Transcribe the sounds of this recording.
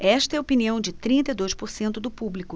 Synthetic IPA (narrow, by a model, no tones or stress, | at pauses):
ɛʃt̪ɐɛopiniɐ̃w̃d͡ʒɪt̪ɾĩnt̪ɐijd̪ojʃpoɾsẽnt̪ʊd̪ʊpublikʊ